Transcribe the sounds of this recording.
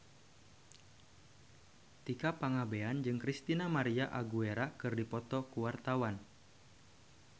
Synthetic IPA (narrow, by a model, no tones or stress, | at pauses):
t̪ikapaŋabeand͡ʒɨŋkɾist̪inamaɾiaʔaɡueɾakɨrdipɔt̪ɔkuwart̪awan